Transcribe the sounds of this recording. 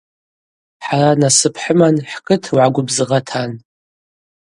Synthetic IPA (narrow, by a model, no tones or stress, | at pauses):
ħaranasɨpʰħəmanħkʼɨtʰwʕaɡʷʊbzɨʁatʰan